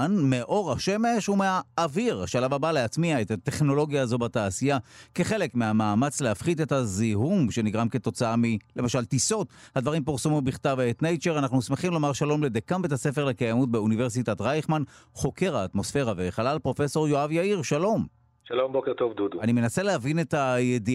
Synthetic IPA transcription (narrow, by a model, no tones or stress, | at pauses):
nmeʔo̞ʁaʃe̞me̞ʃumeaːviʁaʃalavabaleat͡smiaetate̞χno̞lo̞ɡjaːzo̞bataːsijake̞χe̞le̞kmeamaːmat͡slehafχide̞taziɦumʃe̞niɡʁamke̞t̪o̞t͡saamile̞maʃaltiso̞thad̪vaʁimpiʁsomimbiχtaveːtnejt͡ʃeʁanaχnusmeχimlo̞maʁʃalo̞mle̞d̪ekametasefe̞ʁlekajamut̚be̞unive̞ʁs̬itatʁajχmanχo̞ke̞ʁaːtmo̞sfe̞ʁaveχalalpʁo̞feso̞ʁjoavjaiʁʃalo̞m | ʃalo̞mbokeʁt̪o̞vduduanime̞naselehavine̞tajedi